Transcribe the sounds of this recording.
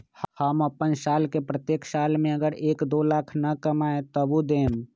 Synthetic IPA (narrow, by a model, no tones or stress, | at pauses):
həməpənsaːlkepɾət̪jeːksaːlmẽəɡəɾeːkd̪olaːkʰnəkəmaːet̪əbud̪eːm